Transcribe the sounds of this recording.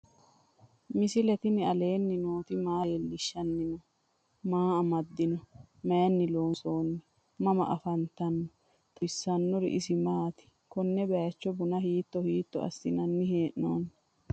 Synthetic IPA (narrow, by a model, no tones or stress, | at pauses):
mɪsɪlɛt̪ɪnɪɐle̞ːnːɪnoːt̪ɪmaːlːɪʃːɐnːɪnɔ | maːɐmɐd̪ːɪnɔmeːnːɪloːnsoːnːɪ | mɐmɐ̰ʔɐfɐnt̪ɐnːɔ | t̪sːɐnːɔɾɪ̰ʔɪsɪmaːt̪ɪ̥ | kɔnːɛbɛjt͡ʃːɔbʊnɐhiːt̪ːɔhiːt̪ːɔɐ̰sːɪnɐnːɪheːʔnoːnː